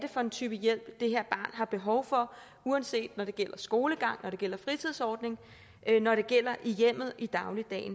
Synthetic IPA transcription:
d̥e̝fɒ̥̽e̝nt͡sʰyːb̥əjel̰b̥d̥e̝ɦeɐ̰b̥ɑ̈ːnɦɑ̈b̥e̝ɦɒ̽ʊfɒ̽ | uænse̝̰ːd̥nɒɾ̥e̝ɡ̥el̰ɐsɡ̥o̝ːləɡ̥ɑ̈ŋ̰nɒɾ̥e̝ɡ̥el̰ɐfʁit͡sʰiðˠsɒːd̥ne̝ŋ | nɒɾe̝ɡ̥el̰ɐʔijem̰ð̞̩ˠʔid̥ɑ̈ʊlid̥ɛ̰ːn

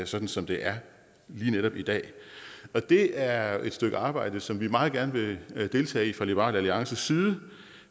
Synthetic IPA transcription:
sɒ̽d̥n̩sɒ̽md̥e̝ʔæɐ | liːneɾɒ̽b̥id̥ɛ̰ːɒ̽d̥e̝æɐe̝d̥sd̥øɡ̥əɑ̈ːb̥ɑ̈ɪ̰d̥əsɒ̽mʋimɑ̈ːð̩ˠɡ̥æɐnəʋe̝d̥e̝ːlt͡sʰɛ̰ːifʁɑ̈lib̥ʁɑ̈ːlæliɑ̈ŋsəsiːðˠə

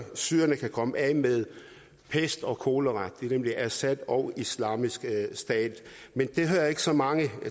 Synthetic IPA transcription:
syːɐnəkʰækʰɒ̽məʔæmeðˠ | pʰesd̥ɒ̽kʰo̝ːləʁɑd̥̚d̥eɐnemliʔæsæd̥ɒ̽ʊislɑ̰̈ːmisɡ̥sd̥ɛ̰ːd̥ | mend̥e̝ɦø̰ːɐe̝ɡ̥sɒ̽mɑ̈ŋə

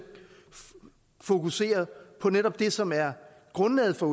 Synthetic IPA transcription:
fo̝kʰuse̝̰ːɐpʰɒ̽neɾɒ̽b̥̚d̥e̝sɒ̽mæɐ | ɡ̥ʁɔ̽nlɛ̰ːð̞̩ˠfɒ̽

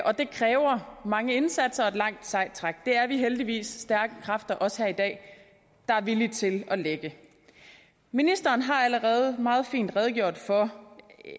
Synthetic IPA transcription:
ʔɒ̽d̥e̝kʰʁɛːʊɐmɑ̈ŋəe̝nsæd̥sɐɒ̽e̝d̥lɑ̈ŋ̰d̥sɑ̈ɪd̥̚t͡sʰʁɑ̈ɡ̥̚d̥e̝æɐʋiɦeld̥iʋḭːsːd̥æɐɡ̥əkʰʁɑ̈fd̥ɐʔɒ̽sheɐid̥ɛ̰ː | d̥ɑ̈æɐʋilit͡sʰe̝lɒ̽leɡ̥ə | minisd̥ɐːnɦɑ̈æləʁɛːð̞̩ˠmɑ̈ːð̞̩ˠfḭːnd̥ʁɛð̞ˠɡ̥jo̝ɐ̰d̥fɒ̽

